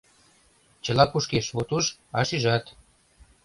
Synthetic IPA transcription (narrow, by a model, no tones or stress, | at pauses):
t͡ɕə̆lɑpuʃkeʃβot̪uʃɑʃyʒɑt̪